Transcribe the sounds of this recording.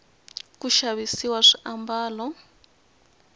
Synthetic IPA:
kuʃaβisiwaʂiʔambaːlɔ

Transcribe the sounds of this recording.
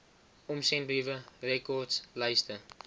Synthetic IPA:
ɔmsɛnivərɛkɔrtslɛjstə

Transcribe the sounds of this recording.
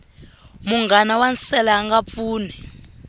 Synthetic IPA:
muŋɡanawansɛlaːŋɡap̪fuːnɛ

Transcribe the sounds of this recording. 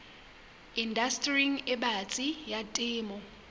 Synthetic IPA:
indastʼriŋɛɓat͡sʼijatʼiːmɔ

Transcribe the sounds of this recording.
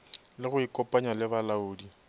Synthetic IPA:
lɪɣʊikʼɔpʼaɲalɪβalaʊːdi

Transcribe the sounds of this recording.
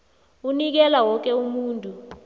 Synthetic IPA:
unik̬ɛlawɔk̬ɛumuːntʼu

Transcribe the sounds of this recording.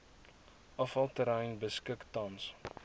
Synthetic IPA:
ʔɐfɐlˠtəɾəjnbəskəktɐns

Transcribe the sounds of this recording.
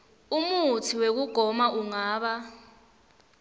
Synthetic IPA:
umutʰiwek̬uɡ̥ʱɔmaʔuŋaːɓa

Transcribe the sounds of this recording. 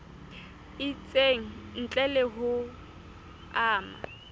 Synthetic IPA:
ɪt͡sʼeŋ̩n̩t͡ɬʼɛlɛɦʊ | aːma̰

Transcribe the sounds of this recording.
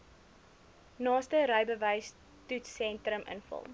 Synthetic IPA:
nɑːstəɾəjbəvəjs | tutsɛntrəmʔə̰nfə̰lˠ

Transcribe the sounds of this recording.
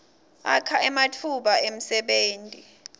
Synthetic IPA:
a̰kʰaɛmatʰuɓaem̩sɛɓeːntʼi

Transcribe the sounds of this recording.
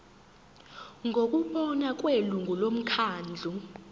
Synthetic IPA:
ŋɡʱok̬ʼuɓɔnakʼweluŋɡʱulom̩kʰaːnd͡ɮʱu

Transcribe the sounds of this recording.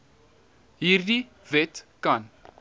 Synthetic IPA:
iri | vet̪kan

